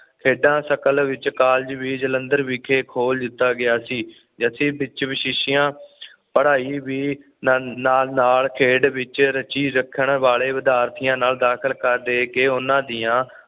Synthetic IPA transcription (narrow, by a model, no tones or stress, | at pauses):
kʰeːɖãːsəkəlʋɪt͡ʃkaːld͡ʒʋiːd͡ʒələ̃nd̪əɾʋiːkʰeːkʰoːld̪ɪt̪ːaːɡɪaːsiː | d͡ʒəsʰĩːbɪt͡ʃʋɪʃɪʃɪjãː | pəɽaːiːʋiː | naːlnaːlkʰeːɖʋɪt͡ʃɾət͡ʃiːɾəkʰːəɳʋaːɭeːʋɪd̪aːɾt̪ʰijãːnaːld̪aːkʰəlkəɾd̪eːkeːʊnãːd̪ɪjãː